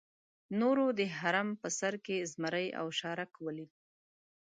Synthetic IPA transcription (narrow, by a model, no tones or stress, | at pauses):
noɾod̪əɦaɾampəsaɾkezmaɾəja̰wʃɑɾakwəlid